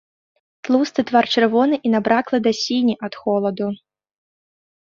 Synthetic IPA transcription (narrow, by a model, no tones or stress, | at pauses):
t̪lˠust̪ɨt̪vart͡ʂɨrvɔnɨʔinabɾaklˠɐd̪ɐsʲinʲiʔɐt̪xɔlˠɐd̪u